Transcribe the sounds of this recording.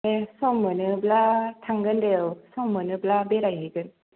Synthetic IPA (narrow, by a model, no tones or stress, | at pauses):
esɔmːɯnɯblatʰaŋɡɯndewsɔmːɯnɯblabeɾajɦɯɡɯn